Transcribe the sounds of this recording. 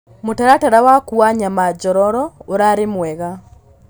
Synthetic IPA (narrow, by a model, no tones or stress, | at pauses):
motaɾataɾawakuaɲamad͡ʒɔɾɔɾɔoɾaɾemwɛɣa